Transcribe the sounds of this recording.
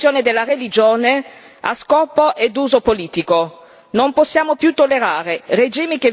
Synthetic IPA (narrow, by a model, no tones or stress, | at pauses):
joːned̪elːarelid͡ʒoːne | a̰skɔːpoʔed̪uːzopoliːt̪iko | nomposːjaːmopjut̪ːolːeɾaːɾered͡ʒiːmike